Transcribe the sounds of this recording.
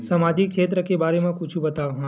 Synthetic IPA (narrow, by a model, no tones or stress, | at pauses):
samad͡ʒik̚t͡ʃʰet̪ɾəkebaɾemãkʊt͡ʃʰũbət̪aʋɦã